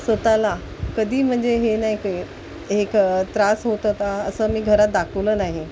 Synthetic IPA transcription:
sət̪ala | kəd̪ʱiːm̤əɳd͡zeɦenaik | ɦekt̪ɾasɦot̪ət̪aəsəːmiːɡʱəɾat̪̚d̪akʰəʋləːnaɦi

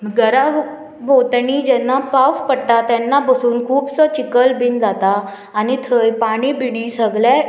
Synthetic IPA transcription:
ɡəɾa | ʋot̪ɳiːd͡ʑɛnːapawspəɽʈ̪at̪ɛnːapəsuːnkʰuːbsɔt͡ɕikəlbind͡zat̪aː | nit̪ʰəjpaɽ̃ibiɽisəɡlɛ

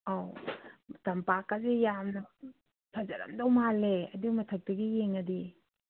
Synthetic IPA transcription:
aw | tɐmpakazejamnɐ | pʰɐzɐ̰ɾɐ̰mdɐwmaleɐdumɐtʰɐk̚tɐɡijeŋɐdi

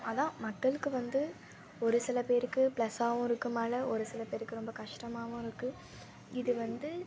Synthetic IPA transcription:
ɐðãːmɐkːɐɭɯkːɯʋɐnd̪ɯ | ɔɾɯsɪlɐpeːɾɯkːɯplɐsaːʋʊ̃ɪɾɯkːɯmaːlɐɔɾɯsɪlɐpeːɾɯkːɯɾɔmbɐkɐʂʈɐmaːʋʊ̃ɪɾɯkːɯ̃ | ɪðɯʋɐnd̪ɯ

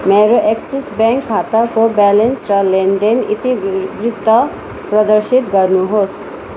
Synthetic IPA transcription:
meːɾoʔeksisbɛ̃ːŋkʰːaːt̪akobɛːlensɾaleːnd̪enḭt̪ibɾɪt̪ːa | pɾɐd̪əɾʃit̪ɡɐɾnuɦos

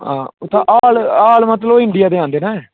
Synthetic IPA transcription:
ã̰ːt̪ãʔaːlaːlmət̪ləoɪɳɖɪjaːd̪eːãːnd̪eːnɛː

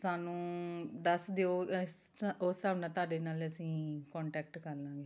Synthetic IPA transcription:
saːnũːd̪əsd̪eoː | oːsaːʋnãːt̪aːɖeːnaːləsĩːkɔːɳʈɛːk̚ʈkəɾlãːŋɡeː

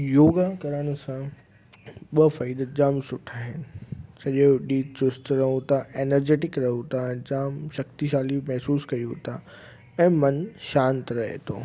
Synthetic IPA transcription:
joːɡakɐɾəɽ̃ʊ̆sã | ɓɐfɐid̪əd͡ʑaːmsʊʈʰaːɦɪnɪ̆t͡ɕɐʄɗiːt͡ɕʊst̪ɾɐɦũt̪ʰaeːnəɾd͡ʑeːʈɪkɾɐɦũt̪ʰaɛ̃ːd͡ʑaːmʃɐkt̪iʃaːlimɛɦsuːskɐjũt̪ʰa | ɛ̃ːmɐnʃãːnt̪ɾɐɦḛt̪ʰo̰ː

